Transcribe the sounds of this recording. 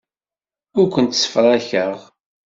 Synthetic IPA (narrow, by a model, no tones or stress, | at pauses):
ʊɾkʷənt̪sə̥fəɾˤæçəʁ